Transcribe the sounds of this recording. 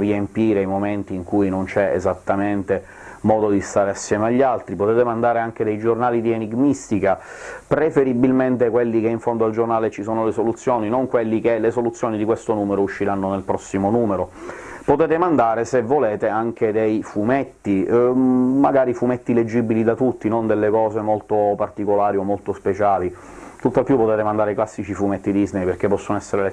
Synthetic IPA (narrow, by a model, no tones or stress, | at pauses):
riempiːɾeajmoment̪iːŋkujnont͡ʃɛḛzat̪ːament̪e | mɔːd̪od̪ist̪aːɾeasːjɛːmeaʎːalt̪ɾipot̪ɛːt̪emand̪aːɾeaŋk̟ed̪ejd͡ʒornaːlid̪ieniɡmist̪ikapɾefeɾibilment̪ekwelːikeiɱfond̪oald͡ʒornaːlet͡ʃisoːnolesolut̪sːjoːninoŋkwelːik̟elesolut̪sːjoːnid̪ikwest̪onuːmeɾouʃːiɾanːonelpɾɔsːimonuːmeɾo | pot̪ɛːt̪emand̪aːɾesevːoleːt̪eaŋked̪ejfumet̪ːi | maɡaːɾifumɛt̪ːiled͡ʒːibilid̪at̪ut̪ːinond̪elːekɔːzemolt̪opart̪ikolaːɾiomːolt̪ospet͡ʃaːli | t̪ut̪ːapːjupːot̪ɛːt̪emand̪aːɾeklasːit͡ʃifumet̪ːid̪iznejperk̟epːɔsːonoɛsːeɾele